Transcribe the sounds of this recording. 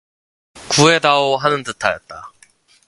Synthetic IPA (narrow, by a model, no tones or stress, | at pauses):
kue̞daoɦanɯntɯtʰajʌ̰t̚t͈a